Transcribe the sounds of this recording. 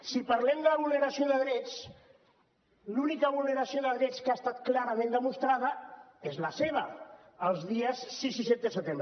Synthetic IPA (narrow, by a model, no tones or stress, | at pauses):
sipaɾlɛmd̪ələβulnəɾasioðəɣɾet͡s | lunikaβuləɾasioðəɣɾet͡skast̪at̪klaɾamẽnd̪əmust̪ɾaðəezlaseβ̞ə | əlˠzðiəsːisiset̪d̪əsət̪emb